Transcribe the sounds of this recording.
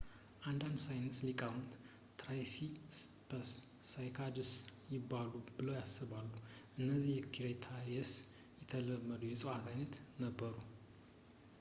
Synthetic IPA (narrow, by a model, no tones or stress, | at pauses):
ʔand̪and̪sajnɨslikʼamut̪ | t̪ɾajsispʰəsː | ajkʰad̪ɨsjɪbːalubɨləwjasːɨβalːuʔɨnːəzːihjɛkʰiɾet̪ʰajɛs | jɛt̪ʰələmːəd̪ujɛsʼəwat̪ʰajnət̪nəbːəɾu